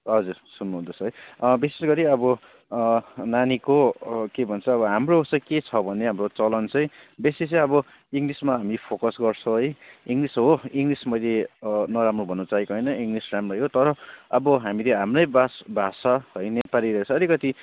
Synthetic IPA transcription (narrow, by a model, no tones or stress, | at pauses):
ɦʌd͡zursunːuɦund̪osʰʌɦʌjbisesɡʌɾiʌbʌ | nanikokebʱʌnt͡sʰʌːβʌɦamroosʌket͡sʰʌbʱʌneɦamrot͡sʌlʌnt͡sʌj̃besesʌ̃ʌbʌ | iŋlismaɦamipʰokʌsɡʌrt͡sʰõɦʌjiŋlisɦoiŋlismʌjlenʌɾamrobʱʌnːut͡saikoɦʌjnʌiŋlisramrʌjɦot̪ʌɾʌʌbʌɦamileɦamrʌjbasbʱasaɦojnepaliɾʌet͡sʰʌːlikʌt̪i